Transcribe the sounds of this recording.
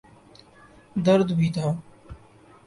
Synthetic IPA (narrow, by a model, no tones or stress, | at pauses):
d̪əɾd̪bʱiːt̪aː